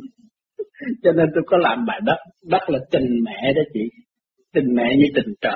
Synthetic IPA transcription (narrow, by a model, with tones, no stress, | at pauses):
t͡ɕɔ˧ne˧nt̪u˧jkɔ˨˦laː˨˩mɓa̰ː˧˩jɗə˦˥t̚ɗə˦˥t̚laː˨˩t͡ɕï˨˩ŋmɛ̰˧˨ɗɔː˨˦t͡ɕḭ˧˨ | t͡ɕï˨˩ŋ̟mɛ̰˧˨ɲɨ˧t̪ï˨˩ŋ̟t͡ɕə̰ː˧˨